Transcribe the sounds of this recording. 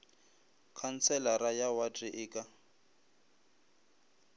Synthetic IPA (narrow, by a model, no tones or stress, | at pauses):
kʰant͡sʰɛlaɾajawatʼiʔɪːkʼa